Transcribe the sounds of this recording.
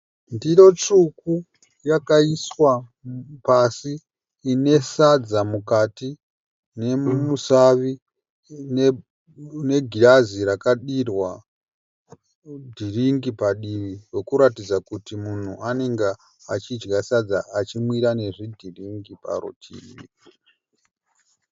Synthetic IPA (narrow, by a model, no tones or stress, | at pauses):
ndiɾo̞t͡ʂuku | jakaiswa | pasiː | ne̞sad͡zamukati | ne̞musaʋi | ne | ne̞ɡʱiɾaziɾakaɗirwa | dʱiriŋɡipaɗiʋiwe̞kuɾatid͡zakutimun̤ṵʔane̞ŋɡe | at͡ʃid͡ʒɡasad͡zaːt͡ʃimwiɾane̞ʐidʱiriŋɡipa̰ro̰tʰḭːḭ